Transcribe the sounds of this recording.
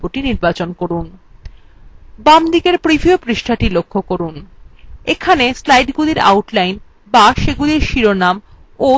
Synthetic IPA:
poʈiniɾbat͡ɕonkoɾun | bamd̪ikeɾpɾibʱiopɾiʃʈʰaʈilokʰːokoɾun | ekʰaneslajɖɡuliɾa̰wʈlajn | baʃeɡuliɾʃiɾonam | o

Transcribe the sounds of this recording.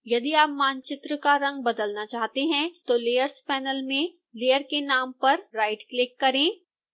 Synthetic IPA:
jɐd̪iaːp̚maːnt͡ʃɪt̪ɾəkaɾɐ̃ŋɡ̚bɐd̪əlnat͡ʃaːɦt̪eɦɛ̃t̪oleːjəɾspɛːnəlmẽ | leːjəɾkenaːmpɐɾːaːɪʈklɪkːɐɾẽː

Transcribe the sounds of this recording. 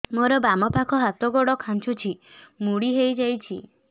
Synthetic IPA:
moɾɔbamɔpakʰɔɦat̪ɔɡɔɽɔkʰant͡ʃʰut͡ʃʰimuɽiɦejd͡ʒajt͡ʃʰi

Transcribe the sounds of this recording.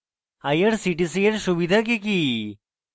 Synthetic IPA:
hajəɽsiʈisijeɽɕuʋid̪ʱak̬eki

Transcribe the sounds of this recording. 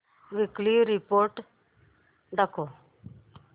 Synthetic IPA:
ʋɪklioɾɪpoːɾʈ | d̪əkʰoː

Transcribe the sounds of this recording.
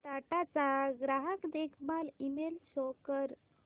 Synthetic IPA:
ʈ̪aʈat͡saɡɾaɦəkd̪ekʰmalimelɕɔkəɾ

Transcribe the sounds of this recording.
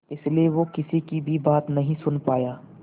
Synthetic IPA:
ɪslieʋokɪsikibʱibaːt̪nɐɦĩsʊnpaːjaː

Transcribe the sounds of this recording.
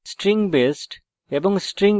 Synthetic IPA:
sʈɾĩŋbesʈ | ebɔ̃ŋsʈɾĩŋ

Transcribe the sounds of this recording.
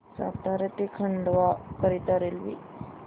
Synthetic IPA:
sa̰t̪aɾəʈ̪ikʰəɳɖʋakəɾit̪aɾelʋḭ

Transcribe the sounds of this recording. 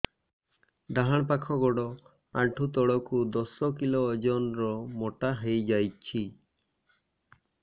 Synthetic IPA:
d̪aɦaɽ̃pakʰɔɡɔɽɔ | aɳʈʰut̪ɔɽɔkud̪ɔsɔkilɔːd͡ʒɔnɾɔmɔʈaɦejd͡ʒajt͡ʃʰi

